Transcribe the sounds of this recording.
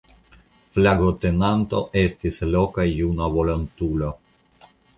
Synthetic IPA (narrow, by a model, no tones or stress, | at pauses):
flaɡot̪e̞nant̪o̞̰ʔe̞stislo̞kajunavolantulo